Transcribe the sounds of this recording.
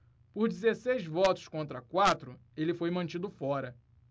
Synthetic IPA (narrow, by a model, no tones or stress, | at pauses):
pʊɾd͡ʒizesejzvɔt̪ʊ̥skõnt̪ɾɐkwat̪ɾʊ | elɪfojmɐ̃t͡ʃid̪ʊfɔɾɐ